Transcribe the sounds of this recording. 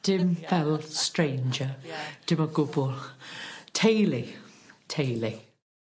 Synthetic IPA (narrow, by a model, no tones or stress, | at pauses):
d̥ɪmvɛlˠstɹẽɪnd͡ʒəd̥ɪməɡʊbʊlˠtʰeɪlitʰeɪli